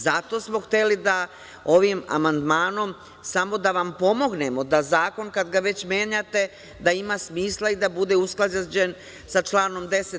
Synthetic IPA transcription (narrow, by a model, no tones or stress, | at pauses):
zat̪o̞smo̞xt̪e̞lid̪a | o̞ʋima̰mand̪maːno̞m | samo̞d̪aʋampo̞mo̞ɡne̞mo̞d̪azaːko̞nkad̪ɡaʋe̞t͡ɕmje̞ːɲat̪e̞ | d̪aimasmiːslˠaid̪abud̪e̞usklˠad͡ʑad͡ʑe̞n | sat͡ʃlˠaːno̞md̪e̞set̪